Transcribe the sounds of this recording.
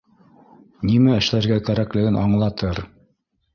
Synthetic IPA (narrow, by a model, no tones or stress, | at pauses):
nimæɘ̆ʃlæɾɡækæɾæklɘ̆ɡɘnʔɑɴlˠɑt̪ɤɾ